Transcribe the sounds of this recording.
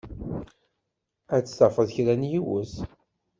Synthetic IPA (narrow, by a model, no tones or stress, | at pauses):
æt͡sːsɑfəðçɾænjiwəs